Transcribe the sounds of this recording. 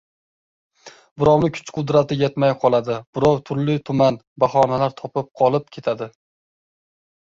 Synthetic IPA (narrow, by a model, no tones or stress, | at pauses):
bʊɾɒwnɪkʰʊ̥t͡ʃqʰʊd̪ɾat̪ɪjet̪majqʰɒlˠad̪ɪb̥ʊɾɒwt̪ʰʊɾlɪt̪ʰʊman | baχɒnalaɾt̪ʰɒpɪp̚qʰɒlˠɪp̚kʲʰe̞t̪ʰad̪ɪ